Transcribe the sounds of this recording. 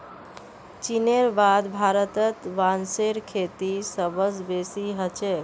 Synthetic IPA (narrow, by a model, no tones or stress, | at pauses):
t͡ʃineɾbad̪bʱaɾət̪ət̪ʋanseɾkʰet̪isəbəsbesiɦət͡ʃe